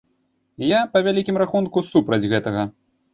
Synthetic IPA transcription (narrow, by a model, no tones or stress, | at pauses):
japɐvʲalʲikʲimɾaxunkusupɾɐd͡zʲɣɛt̪ɐɣɐ